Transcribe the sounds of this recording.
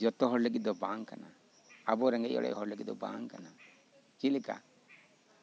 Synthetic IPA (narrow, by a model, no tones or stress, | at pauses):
d͡ʒɔt̪ɔɦɔɾləɡit̪̚d̪ɔbaŋka̰na | abɔɾɛŋɡɛʔɔ̰ɽɛ̰ʔɦɔɾləɡit̪̚d̪ɔbã̰ŋkana | kilɛka̰